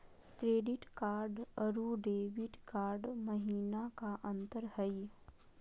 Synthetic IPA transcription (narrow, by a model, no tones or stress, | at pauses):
kɾeːɖɪʈkaːɾɖəɾuɖeːʋɪʈkaːɾɖməɦiːnakaʔɐ̃nt̪əɾhəj